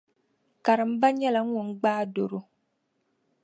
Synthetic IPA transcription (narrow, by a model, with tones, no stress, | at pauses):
ka˨ɾɨ˨m̩˦ba˦ɲɛ˦la˨ŋ̩˦ŋʊ˨ŋ̩˦ɡ͡baː˦do˨ɾʊ˦